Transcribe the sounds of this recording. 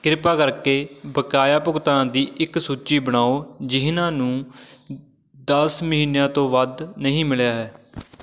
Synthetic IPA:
kɪɾɪpaːkəɾkeːbəkaːjaːpʊkt̪ãːd̪iːʔɪksuːt͡ʃiːbəɽ̃aːoːd͡ʒɪɦnãːnũː | d̪əsməɦiːnjãːt̪õːʋəd̪nəɦĩːmɪljaːɦɛː

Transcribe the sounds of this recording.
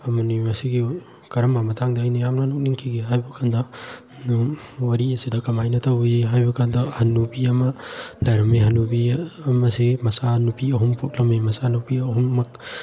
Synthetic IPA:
ɐmanimasiɡi | kɐɾɐmːamɐtʰaŋdaːjnajamnanuk̚niŋkʰiɡiɦajbakʰandɐ | nwɐɾiesidɐkɐmajnɐtʰawbiɦajbɐkʰandɐhɐnubiɐmɐlaɾɐmeɦɐnubimɐsemɐsanupʰiɐɦumpʰok̚lɐmemɐsanupiɐɦumːɐk̚

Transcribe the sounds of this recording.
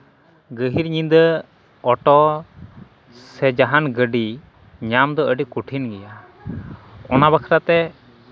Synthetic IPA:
ɡəɦiɾɲind̪ə | ɔʈɔ | sɛd͡ʒaɦanɡəɖi | ɲamd̪ɔəɖikuʈʰinɡɛja | ɔnabakʰɾat̪ɛ

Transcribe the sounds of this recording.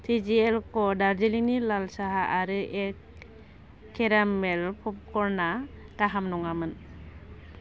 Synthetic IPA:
tʰid͡ʒiɛlkɔdaɾd͡ʒiliŋnilalsaɦaʔaɾɯʔɛk̚ | kʰːɛɾamɛlpʰɔp̚kɔɾnaɡ̥aɦamnɔŋamɯn

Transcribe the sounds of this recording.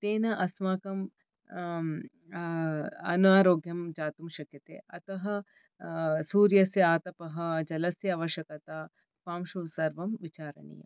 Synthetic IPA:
t̪eːnɐʔɐsmaːkɐm | ɐ̰naːɾoːɡjɐmd͡ʒaːt̪umʃɐkjɐt̪ḛːɐt̪ɐɦɐ̆ | suːɾjɐsjɐaːt̪ɐpɐɦɐd͡ʒɐlɐsjɐɐːʋɐʃjɐkɐt̪aː | paːmʃusɐɾʋɐmʋit͡ʃaːɾɐ̰nḭjɐ̰m

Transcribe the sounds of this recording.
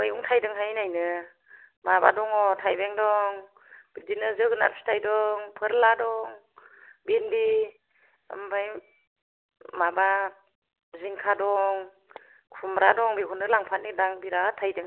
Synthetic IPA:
bɯjuŋtʰajdɯŋɦajnajnɯ | maba̰dɔŋɔtʰajbeŋdɔŋ | b̥idinɯzɯɡɯna̰ɾpʰi̥tʰajdɔŋpʰɯɾladɔŋ | binbi | a̰mbaj | maba | ziŋkʰadɔŋ | kʰumɾadɔŋbikʰɔnɯlaŋpʰatnidaŋbiɾatʰajdɯŋ

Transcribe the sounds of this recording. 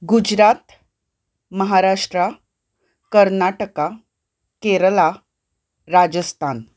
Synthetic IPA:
ɡud͡ʑɾat̪ | məɦaɾaʂʈɾa | kəɾnaʈəka | keɾəla | ɾad͡ʑəst̪ʰan

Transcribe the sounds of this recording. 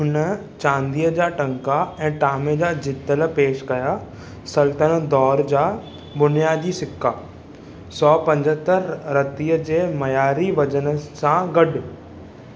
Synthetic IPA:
ɦʊnə | t͡ɕãːnd̪ijəd͡ʑaːʈɐ̃ŋkaɛ̃ːʈaːmed͡ʑaːd͡ʑɪt̪ːələpeːʃkɐja | sɐlt̪ənd̪ɔːɾd͡ʑaː | bʊnijaːd̪isɪkːaː | sɔːpɐ̃ɲd͡ʑət̪əɾːɐt̪ijəd͡ʑeːmɐjaːɾiʋɐd͡ʑənəsãɡɐɖ

